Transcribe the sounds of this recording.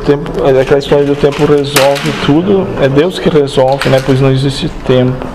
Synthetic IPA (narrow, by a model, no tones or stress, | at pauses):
t̪ẽmpʊakɛlɐist̪ɔɾjɐd̪ʊt̪ẽmpʊrezɔwvɪt̪ʰud̪ʊɛd̪ewskɪrezɔlvɪnɛpojznɐ̃w̃ezist͡ʃɪt̪ẽmpʊ